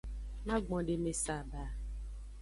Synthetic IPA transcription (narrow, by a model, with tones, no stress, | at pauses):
na˦ɡ͡bɔ˨dɪ˦me˦sa˦˨baː˨˦